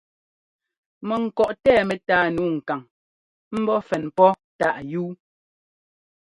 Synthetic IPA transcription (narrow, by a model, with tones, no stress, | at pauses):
mɛ˨ŋ̩˨kɔ˨ʔtɛː˦˨mɛ˨taː˨˦˨nuː˨˦ŋ̩˨ka˨ŋ | m̩˦bɔ˦fɛ˨npɔ˦ta˦˨ʔjuː˦